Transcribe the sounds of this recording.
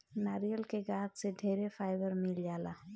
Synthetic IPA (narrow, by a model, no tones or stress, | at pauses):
naːɾijəlkeɡaːt̪seɖʱeːɾefaːɪbəɾmɪld͡ʒaːlaː